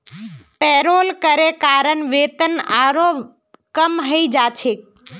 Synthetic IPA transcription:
peːɾoːlkəɾekaːɾəɳʋeːt̪ənaːɾo | kəmɦəid͡ʒaːt͡ʃʰeːk

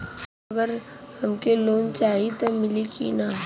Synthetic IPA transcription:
ɐɡəɾhɐmkeloːnt͡ʃaːɦit̪omɪlikḭna

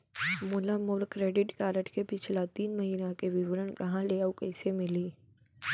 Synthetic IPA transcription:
muːlamʊɾkɾeːɖɪʈkaːɾəʈʰkepɪt͡ʃʰlat̪iːnmɐɦiːnakeʋɪʋəɾənkɐɦãleːaukɐːsemɪliː

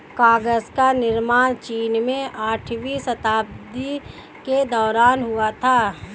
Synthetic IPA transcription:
kaːɡəzkanɪɾmaːɽ̃t͡ʃiːnmẽaːʈʰʋisət̪aːbd̪i | ked̪ɔːɾaːnɦʊat̪ʰaː

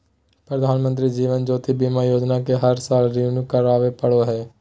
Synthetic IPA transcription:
pɾəd̪ʱaːnmə̃nt̪ɾiːd͡ʒiːʋənd͡ʒoːt̪ibimãːjoːd͡ʒnaːkeɦəɾsaːlɾiːnukəɾaːʋepəɽoːɦɛː

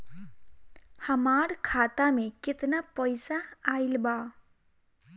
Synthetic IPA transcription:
həmaɾkʰat̪ameket̪napʌjsaːjlba

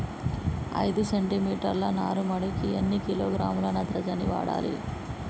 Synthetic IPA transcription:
ɐ̰jd̪useɳʈimiːʈɐɾlɐnaːɾumɐɽikienːikiloːɡɾaːmulɐnɐt̪ɾɐd͡ʒɐniʋa̰ːɽa̰ːlḭ

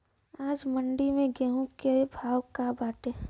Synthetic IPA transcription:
aːd͡ʒməɳɖimẽɡɛːɦũkebʱaːwkabaːʈeː

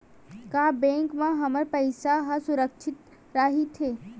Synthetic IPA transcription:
kaːbẽːŋkmãɦɐməɾpɐɪsaɦasʊɾəkʃʰɪt̪ | ɾaɦit̪ʰeː

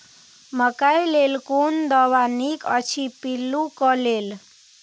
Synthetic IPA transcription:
məkajlelkund̪əwanikə̰t͡ʃʰipilːukəlel

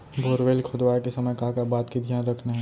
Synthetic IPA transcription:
boːɾʋeːlkʰʊd̪ʋaːkesɐməjkaːkabaːt̪kid̪ʱjaːnɾɐkʰnaɦɛ̃

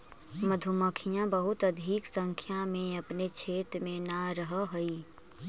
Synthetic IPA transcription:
məd̪ʱʊməkʰijãbəɦʊt̪ɐd̪ʱiːksə̃ŋkʰjamẽɐpnet͡ʃʰeːt̪mẽnaɾəɦəɦɐiː

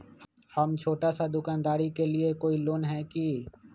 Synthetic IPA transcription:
hɐmt͡ʃʰoːʈasad̪ʊkaːnd̪aːɾikeliekoːiloːnɦɛki

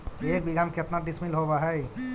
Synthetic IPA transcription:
ek̚biɡamket̪naɖismilɦobaɦɛj

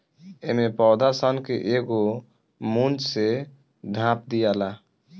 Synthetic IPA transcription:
emepɔwd̪asənkeʔeɡo | mund͡ʒse | d̪ʱãp̚d̪ijala

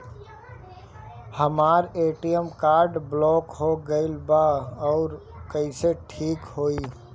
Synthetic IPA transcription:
hɐmaːɾeːʈijəmkaːɾɖblɔːkɦoɡɐɪlbaɔːɾkɐɪseʈʰiːkɦoːiː

